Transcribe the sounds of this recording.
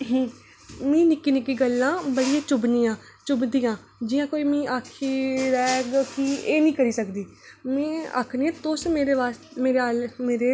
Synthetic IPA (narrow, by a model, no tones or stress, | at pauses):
mĩːnɪkːiːnɪkːiːɡəlːãːbəɽijãːt͡ʃʊbnĩːjãː | t͡ʃʊbd̪iːãː | d͡ʒɪjãːkoːiːmĩːʔaːkʰiːɾɛːɡkieːnĩːkəɾiːsəkd̪iːmɛ̃ːa̰ːkʰneːãːt̪ʊsmeːɾeːʋaːs | meːɾeaːlmeːɾeː